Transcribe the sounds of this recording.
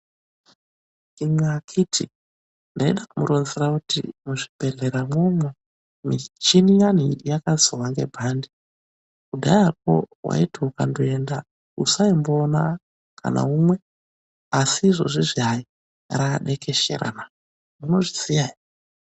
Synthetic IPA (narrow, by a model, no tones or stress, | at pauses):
imakʰitʰḭ | ndaeɗakumuɾonzerakutḭmuʐibʱe̞ɮe̞ɾamomwe | mit͡ʃinijan̤ijakazowaŋɡe̞bʱandi | kudʱajap̚o̰wa̰itiukandoe̞nda | usaimboːna | ka̰na̰umwe̞ | asiʐo̞̰ʐiʐiai | raɗe̞ke̞ʃḛɾa̰na | muno̞ʐisijaja